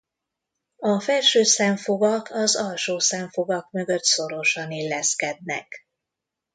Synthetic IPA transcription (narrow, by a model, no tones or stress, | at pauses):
ɒfɛlʃøːsɛɱfoɡɒkʰɒzɒlʃoːsɛɱfoɡɒkmø̞ɡø̞t̪so̞ɾo̞ʃɒnilːɛskɛd̪̚nɛ̰k